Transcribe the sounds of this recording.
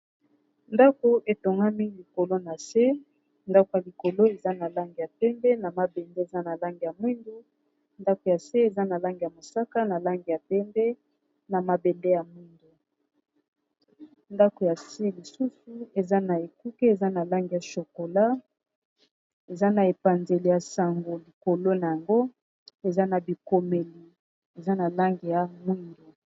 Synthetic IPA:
nda˦ko˦ʔe˨to˨ŋɡa˦mi˦li˨ko˨lo˦na˨se˦ | nda˦ko˨ja˨li˨ko˨lo˦e˨za˦na˨la˦ŋɡi˨ja˨pɛ˦mbɛ˦na˨ma˨be˨nde˦e˨za˦na˨la˦ŋɡi˨ja˨mwi˦ndu˦ | nda˦ko˨ja˨se˦e˨za˦na˨la˦ŋɡi˨ja˨mo˨sa˦ka˦na˨la˦ŋɡi˨ja˨pɛ˦mbɛ˦ | na˨ma˨be˨nde˦ja˨mwi˦ndu˨ | nda˦ko˨ja˨se˦li˨su˦su˨e˨za˦na˨e˨ku˦ke˦e˨za˦na˨la˦ŋɡi˨ja˨ʃo˨ko˨la˦ | e˨za˦na˨e˨pa˨nze˨li˨ja˨sa˨ŋɡo˨li˨ko˨lo˦na˨ja˨ŋɡo˦ | e˨za˦na˨bi˨ko˨me˨li˨ | e˨za˦na˨la˦ŋɡi˨ja˨mwi˦ndu˨

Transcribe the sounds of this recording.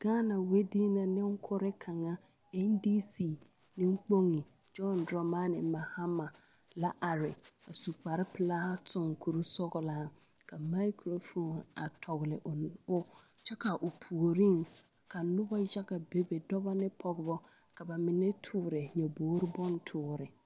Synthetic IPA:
ɡ̥aː˦na˨we˦diː˦na˨nɪ˦ŋ̩˦kʰʊ˦ɾɪ˦kʰa˨ŋa˦ | ɛ˦ndi˦si˦˨ | nɪ˦ŋ͡mk͡po˦ŋi˨ | d͡ʒɔ˦ndɾɔ˨ma˦nɪ˨ma˨ha˦ma˨ | la˦ʔa˨ɾɪ̰˨a˨su˨k͡pa˨ɾɪ˦pɪ˨la˦tʊ˦ŋ˨kʰu˨ɾu˦sɔ˦ɡɔ˨la˨ | ka˨ma˦ɪ˦kɾo˦fo˦˨na̰˨tʰɔ˨ɣlɪ˨ʔʊ˦t͡ʃɛ˦ka˨ʔʊ˨pʰu˨o˨ɾi˦ŋ | ka˨nʊ˦ba˦ja˦ɡa˨be˨be˨dɔ˦ba˦nɪ˦pʰɔ˦ɡʊ˨bɔ˦ | ka˨ba˨mɪ˨nɛ˦tʰʊː˦ɾɛ˨ɲɛ˨boː˨˦ɾɪ˦bɔ˦n˦tʰʊː˨ɾɪ˨

